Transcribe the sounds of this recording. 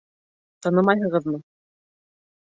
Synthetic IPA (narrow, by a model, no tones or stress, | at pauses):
t̪ɑnɤmɑjɦɤ̆ʁɤ̆ðmɤ